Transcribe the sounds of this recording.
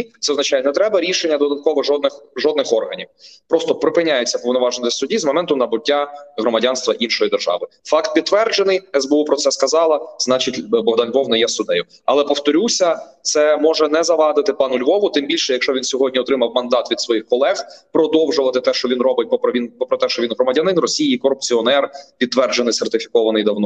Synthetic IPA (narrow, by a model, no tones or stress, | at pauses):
t̪sɛɔznɐt͡ʃɑjɛnɛt̪ɾɛbɐɾʲiʃenʲːɐd̪ɔd̪ɐt̪̚kɔʋɔʒɔd̪̚nɪxʒɔd̪nɪxɔrɦɐnʲiwpɾɔst̪ɔpɾɪpɪnʲajet͡sʲːɐpɔʋnɔʋɑʒnt̪ɪsʲsʊdʲizmɔmɛnt̪ʊnɐbʊtʲːaɦɾɔmɐdʲɑnst̪ʋɐʔinʃɔjid̪erʒɑ̰ʋɪ | fɑkt̪̚pʲid̪ːʋɛrd͡ʒenɪjɛzbeupɾɔt̪sɛskɐzɑlˠɐznɑt͡ʃitʲbɔɦd̪ɑnlʲʋɔwnɛjɛsʊd̪ɛjʊ | ɐ̰lˠɛpɔwt̪ɔɾʲusʲɐ | t̪sɛmɔʒɛnɛzɐʋɑd̪ɪt̪ɪpɑnʊlʲʋɔʋʊt̪ɪmbʲilʲʃɛjɐkʃt͡ʃɔʋʲinsʲɔɦɔdʲnʲiɔt̪ɾɪmɐwmɐnd̪ɑt̪ʋʲid̪sʋɔjixkɔlˠɛxpɾɔd̪ɔwʒʊʋɐt̪ɪt̪ɛʃt͡ʃɔʋʲinrɔbɪt̚ʲpɔpɾɔʋʲinpɔpɾɔt̪ɛʃt͡ʃɔʋʲinɦɾɔmɐdʲɐnɪnrɔsʲijiikɔɾʊpt͡sʲiɔnɛrpʲid̪̚t̪ʋɛrd͡ʒenɪjsert̪ɪfʲi̥kɔʋɐnɪjd̪ɐwnɔ